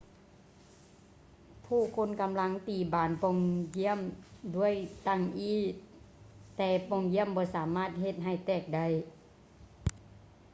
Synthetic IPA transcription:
pʰuː˧˩˨kʰo˧˥˨nka˨˧˦mla˧˥ŋt̪iː˨˩baː˨˦npo˧˨ŋji˧˥˨əmdu˧˥˨əjt̪a˧˩ŋʔiː˧˥˩ | t̪ɛː˧pɔ˧˩ŋɡi˧˥˨əmbɔː˧˦saː˨˦maː˧˥˨t̪̚ɦe˧t̪̚ɦa˧˩jt̪ɛː˧˩k̚da˧˩˨j

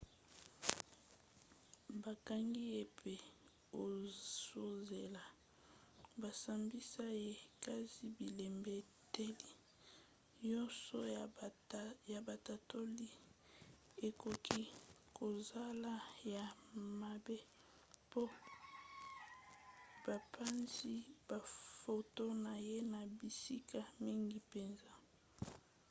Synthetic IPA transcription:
ba˨ka˦ŋɡi˦e˨pʰe˦ | o˨so˨ze˨la˨ | ba˨sa˨mbi˦sa˦je˦ka˦zi˦bi˨le˨mbe˦ | te˦li˦ | ɲɔ˦nsɔ˦ | ja˨ba˨ta˨to˦li˦ | e˨ko˨kʰi˦ko˨za˦la˦ja˨ma˨be˦ | po˦ | b̥a˨pʰa˦nzi˦b̥a˨fo˨to˦na˨je˦na˨bi˨si˦kʰa˨mi˦ŋɡi˦pe˨nza˦

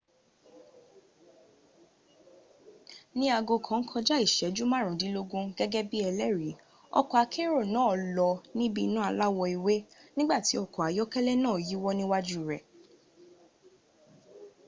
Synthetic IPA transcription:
nĩ˦a˧ɡo˧kʰã˨˦ŋ̩˦kʰɔ̃˧d͡ʒa˦i˦˨ʃɛ˨˦d͡ʒu˦mã˦˨ɾ̃ũ˨dĩ˨˦lo˦ɡũ˦ɡɛ˦ɡɛ˦bi˦ɛ˧lɛ˦˨ɾi˨˦ | ɔ̰˧kɔ˨a˧kʰe˦ɾo˦˨nãː˨˦ɔ˨lɔ˧nĩ˦bi˦˧nũ˦a˧la˦wɔ˧i˨we˦nĩ˦ɡ͡ba˦˨ti˨˦ɔ˧˨kɔ˨a˨˦jɔ˦kɛ˦lɛ˦nãː˦˨ji˨˦wɔ˦nĩ˦wa˦d͡ʒu˦˨ɾɛ˨

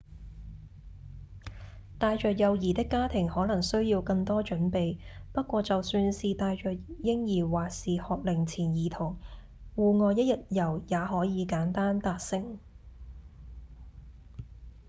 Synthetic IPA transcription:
t̪aː˧jt͡ʃœː˨k̚jɐ˨wjiː˨˩t̪ɪ˥kːaː˥t̪ʰɪ˨˩ŋhɔː˨˥lɐ˨˩ŋsɵ˥ɥjiː˧wkɐ˧ŋt̪ɔː˥t͡ʃɵ˨˥npe˨jpɐ˥t̚kʷɔː˧t͡sɐ˨wsyː˧nsiː˨t̪aː˨˧jt͡ʃœː˨k̚jɪ˥ŋjiː˨˩waː˨k̚siː˨hɔː˨k̚lɪ˨˩ŋt͡sʰiː˨˩njiː˨t̪ʰʊ˨˩ŋ | wuː˨˩ŋɔː˨˧jɐ˥t̚jɐ˨t̚jɐ˨˩wjaː˨˧ɦɔː˨˥jiː˨˧kaː˨˥nt̪aː˥nt̪aː˨˩t̚sɪ˨ŋ

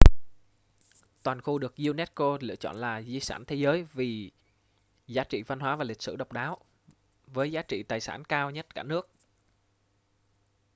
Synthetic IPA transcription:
t̪waː˨˩nxu˧ɗɨ˨˩ək̚zi˧wnɛ˦˥t̚ko˧lɨ̰˧ət͡ɕɔ̰˧˨nlaː˨˩zi˧saː˧˩nt̪ʰe˨˦zəː˨˦jvi˨˩ | zaː˨˦t͡ɕḭ˧˨va˧nɦwaː˨˦vaː˨˩lï˨˩k̚sɨ̰˧˩ɗə˨˩wk͡p̚ɗaː˨˦w | vəː˨˦jzaː˨˦t͡ɕḭ˧˨t̪aː˨˩jsa̰ː˧˩nkaː˧wɲə˦˥t̚kaː˧˩nɨ˦˥ək̚

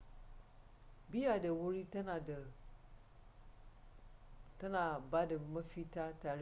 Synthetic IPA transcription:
bi˦a˨də˨wo˦ɾi˦ta˦nã˨də˨ | tə˦nã˨ba˦də˨˦mə̃˦fi˦ta˦ta˨ɾ

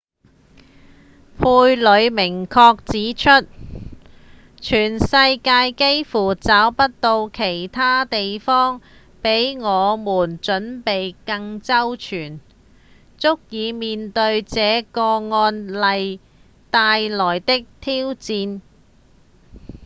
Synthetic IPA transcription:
pʰuː˧jlɵ˨˧ɥmɪ˨˩ŋkʰɔː˧k̚t͡siː˨˥t͡ʃʰɵ˥t̚ | t͡ʃʰyː˨˩nsɐ˧jkaː˧jke˥jfuː˨˩t͡saː˨˥wpɐ˥t̚t̪o˧wkʰe˨˩jt̪ʰaː˥t̪e˨jfɔː˥ŋ | pe˨˥jŋɔː˨˧muː˨˩nt͡ʃɵ˨˥npe˨jkɐ˧ŋt͡sɐ˥wt͡ʃʰyː˨˩n | t͡sʊ˥k̚jiː˨˧miː˨nt̪ɵ˧ɥt͡sɛː˨˧kɔː˧ŋɔː˧nlɐ˨j | t̪aː˧jlɔː˨˩jt̪ɪ˥k̚t̪ʰiː˥wt͡siː˧n

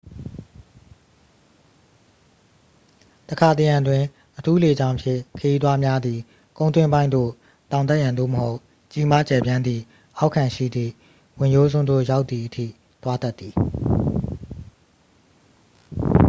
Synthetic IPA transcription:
təkʰa˨t̪ə˨jã˨ndwɪ̃˨ | ʔətʰu˦le˨d͡ʑã˦ʊ̃mpʰjɪ̰̃˦˨kʰə˨ji˦t̪wa˦mja˦d̪i˨ | kõ˨ʊ̃nt̪wɪ̃˦mbã˦ɪ̃nd̪o̰˦˨ | t̪ã˨ʊ̃nt̪̬a˦ʔjã˨nd̪o̰˦˨məho˦ʊ | t͡ɕi˦ma˦t͡ɕɛ˨bjã˦nd̪i˨ | ʔa˦ʊkʰã˨ʃḭ˦˨d̪ðḭ˦˨ | wɪ̃˨jo˦zʊ̃˦nd̪o̰˦˨ja˦ʊt̪ði˨ʔətʰḭ˦˨ | t̪wa˦t̪a˦t̪̚ːði˨

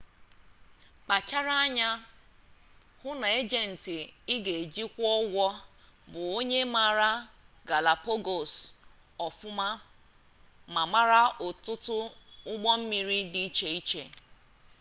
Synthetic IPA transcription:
k͡pa˨t͡ʃa˦ɾa˦a˦ɲa˦ | hʊ˦na˨e˦d͡ʒe˨n̩˨ti˨ɪ˦ɡe˨e˨d͡ʒi˦kʷɔ˦ɡʷɔ˦ | bʊ˨o˦ɲe˦ma˨ɾa˦ɡa˨la˨po˦ɡo˨s | ɔ˨fʊ˦ma˦ | ma˨ma˦ɾa˦ʔʊ˨tʊ˦tʊ˦ʊ˦ɡ͡bɔ˦m̩˦mi˨ɾi˦di˦i˦t͡ʃe˨i˦t͡ʃḛ˨

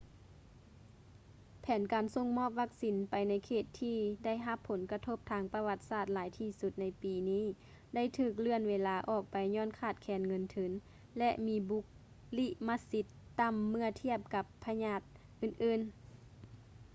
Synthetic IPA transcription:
pʰɛː˨˦nkaː˨nso˧˩ŋmɔː˧˥˨p̚ʋa˧˥k̚si˨˦npa˨jna˧˥jkʰeː˧˩t̪ʰːiː˧da˥˩jɦa˧pʰːo˨˦nka˧t̪ʰo˧˩p̚t̪ʰaː˧ŋpa˧ʋa˧t̪̚saː˧˥˩t̪̚laː˨˦jt̪ʰiː˧˩su˧t̪̚na˧˥jpiː˨˩niː˥˨ | da˥˨jt̪ʰɯː˧˩k̬̚lɯ˧˩ənweː˧laː˧ʔɔː˧˩k̚pa˨jɲɔː˧˥˨nkʰaː˧˩t̪̚kʰɛː˨˦nŋɤ˧˥nt̪ʰɯ˨˦n | lɛ˧ʔmiː˧˥bu˧˦k̚ | li˧ʔma˧si˧˥t̪ːa˧˨mːɯ˧˩ɐət̪ʰi˧˥˩əp̚ka˧˦pʰːa˧ɲaː˧˩t̪̚ | ʔɯː˨˩nʔɯː˧˨n

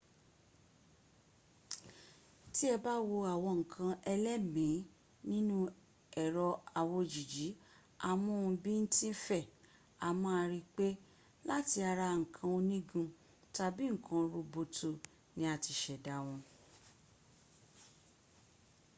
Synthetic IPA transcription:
ti˦ɛ˧ba˦wo˧a˨wɔ̃˧ŋ̩˨kʰã˧ɛ˧lɛ˦mĩ˨˦ | nĩ˦nũ˦ | ɛ˨ɾɔ˧a˨wo˧d͡ʒi˨d͡ʒi˨˦ | a˧mũ˦˨˧bĩ˦n̩˦tĩ˦fɛ˦˨ | a˨mɔ̃˦a˧ɾi˧k͡pe˦ | la˦ti˧a˧ɾa˧ŋ̩˨kʰã˧o˧nĩ˦ɡũ˧ | ta˧bi˦ŋ̩˨kʰã˧ɾo˧bo˧tʰo˦˨ | nĩ˦a˧ti˧ʃɛ˨da˨˦w̃ɔ̃˧

